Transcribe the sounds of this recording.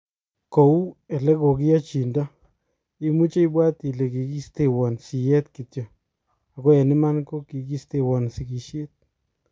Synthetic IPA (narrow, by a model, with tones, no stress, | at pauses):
ko˨u˦ɛ˨lɛ˦ɡo˨k̬ɪ˦a˦t͡ʃi˨nda˦ | ɪ˦mu˦t͡ʃe˦ɪ˦bwa˦t̪i˨le˨ki˨ɡi˦st̪e˨wɔ˨nsi˨jɛ˦t̪ki˨t̪jɔ˨ | a˨kɔ˦jɛ˨nɪ˦ma˦nko˦ki˨ɡ̬i˦st̪e˦˨wɔ˨nsɪ˨ki˨ʃe˦t̪̚